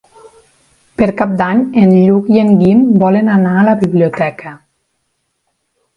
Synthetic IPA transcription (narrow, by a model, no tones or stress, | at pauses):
peɾkap̚d̪aɲenʎukieŋɡimbɔlenanaːləβiβliot̪ɛkʰə